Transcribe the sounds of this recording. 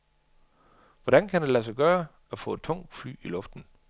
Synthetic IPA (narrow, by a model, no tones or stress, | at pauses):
ʋɒɾænkʰædælæs̬ɑɡ̥ɶːɐ | æfɔ̰̽ːe̝d̥̚t͡sʰɔ̽ŋ̰d̥fly̰ːilɔ̽fd̥n̩